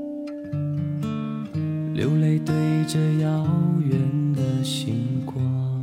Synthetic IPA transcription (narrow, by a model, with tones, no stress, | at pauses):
ljo̰˧˥ʊle˥˩ɪt̪e˥˧ɪʈ͡ʂɤ˥˧jɑ˧˥ʊɥɛ˨˥˦nd̪ə˧ɕi˨˧˥ŋkwɑ˥